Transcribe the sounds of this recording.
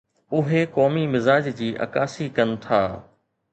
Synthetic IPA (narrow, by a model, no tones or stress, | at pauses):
ʊɦekɔːmimɪzaːd͡ʑd͡ʑiːʔɐ̰kaːsikɐnɪ̆t̪ʰaː